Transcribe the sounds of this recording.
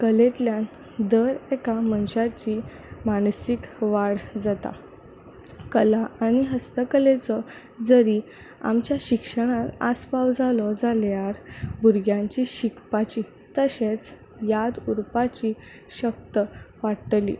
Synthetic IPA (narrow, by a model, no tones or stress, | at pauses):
kəlet̪ljan | d̪əɾekamənɕat͡ɕi | mansikʋaɽd͡zat̪a̰ | kəlaːñiɦəst̪əkəlet͡sɔ | d͡zəɾi | a̰mt͡ɕjaɕikʂəɽ̃at̪a̰spawd͡zalɔd͡zaljaɾbuɾɡjãɲt͡ɕiɕikpat͡ɕi | t̪əɕet͡s | jad̪uɾpat͡ɕi | ɕək̚t̪əʋaɽʈ̪lḭ